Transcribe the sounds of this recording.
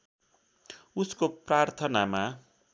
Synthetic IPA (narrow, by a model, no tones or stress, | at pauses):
uskoprart̪ʰʌnama